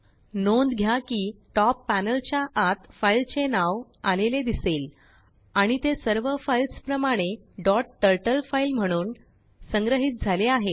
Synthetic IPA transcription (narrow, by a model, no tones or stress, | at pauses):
nond̪ɡʱjakiːʈɔpːænəlt͡ɕjaʔat̪failt͡ɕenaʋaleled̪isel | aɽ̃it̪esəɾʋəfailspɾəmaɽ̃e | ɖɔʈːəɾʈəlfailm̤əɽ̃uːn | səŋɡɾəɦiːt̪̚d͡zʱaleaɦe